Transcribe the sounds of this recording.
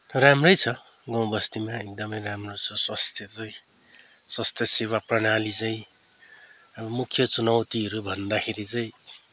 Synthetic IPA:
ramrʌjt͡sʰʌ | ɡʌ̃w̃bʌst̪imaek̚d̪ʌmʌjramrot͡sʰʌswast̪ʰjʌt͡saĩ | swʌst̪ʰjʌsewaprʌnalit͡saĩ | ʌbʌmukʰjʌt͡sunʌwt̪iɦʌɾubʱʌnd̪akʰeɾit͡saĩ

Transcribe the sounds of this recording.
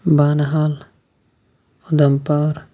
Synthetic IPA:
baːnɐɦal | od̪ɐmpaːɾ

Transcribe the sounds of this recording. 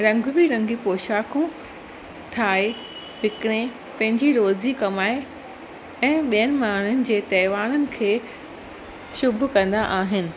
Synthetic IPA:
ɾɐ̃ŋɡʱbiɾɐ̃ŋɡʱipoːʃaːkõ | t̪ʰaːe | ʋɪkɪɽ̃ẽ | pɐ̃ɦɪ̃ɲd͡ʑiɾoːzikɐmaːe | ɛ̃ːɓijənɪ̆maːɳ̤ʊnɪ̆d͡ʑeːt̪ɐːʋaːɽ̃ənɪ̆kʰeː | ʃʊbʱʊkɐ̃nd̪aʔaːɦɪnɪ̆

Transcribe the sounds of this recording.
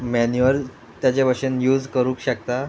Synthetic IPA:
mɛnjuəl | t̪jat͡ɕeʋəɕənjuːd͡zkəɾũːkɕək̚t̪a

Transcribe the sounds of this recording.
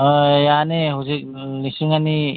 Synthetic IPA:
janeɦuzek̚ | nisiŋani

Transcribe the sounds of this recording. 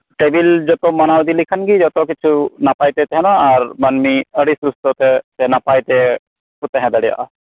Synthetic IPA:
ʈebild͡ʒɔt̪ɔmɔnawd̪ilikʰənɡid͡ʒɔt̪ɾɔkit͡ʃʰunapajt̪ɛt̪ɛɦɛnɔaɾmɐnmiəɽisɾust̪ɔt̪ɛt̪ɛnapajt̪ɛ | kut̪ɛɦɛ̃d̪əɽija̰ʔa

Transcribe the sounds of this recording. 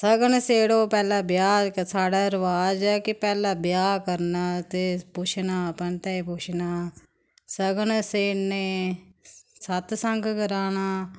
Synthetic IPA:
səɡəɳseːɽoːpɛːlaːbjaːksaːɽaːɾəʋaːd͡ʒɛːkɪpɛːlaːbɪjaːkəɾnaːt̪eːpʊt͡ʃʰnaːpənt̪ɛːipʊt͡ʃʰnaː | səɡnseːneː | sət̪səŋɡɡəɾaːnaː

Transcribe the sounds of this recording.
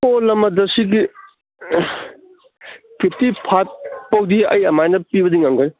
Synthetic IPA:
polɐmɐdɐsiɡi | pʰip̚ʰtipʰat̚pɐwd̪iɐ̰jɐmajnɐpibɐd̪iŋaŋɡan

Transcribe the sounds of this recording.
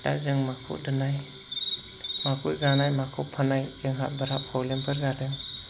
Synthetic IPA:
tazɯŋmakʰṵʔdɯnaj | makʰuzanajmakʰupʰanajzɯŋɦat̚baɾapʰawlempʰɯɾɡadɯŋ

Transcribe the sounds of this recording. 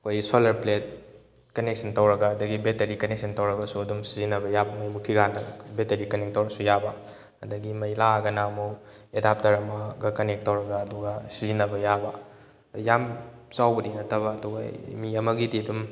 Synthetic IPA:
ɐkʰojsolɐɾplet̚ | kɐnek̚sʰɐntɐwɾɐɡaːdɐɡibetɐɾikɐnek̚sʰɐntɐwɾɐɡɐsuɐdumsizinɐbɐjabɐmɐjmukʰiɡanɐbeteɾikɐnek̚towɾɐsujabɐ | ɐdɐɡimɐjlaɐɡɐnamuw | edap̚tɐɾɐmɐɡɐkɐnek̚tɐwɾɐɡaːduɡasizinɐbɐjabɐ | jamt͡ʃawbɐdinɐtʰɐbɐːduɡa̰miɐmɐɡidiɐdum

